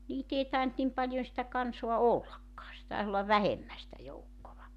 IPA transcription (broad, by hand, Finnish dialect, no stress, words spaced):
niːt ei tɑent nim pɑlʲjon sĭtæ kɑnsoɑ olːɑkːɑː se tɑes olːɑʋ ʋæhemːæ sĭtæ joukːoʋɑ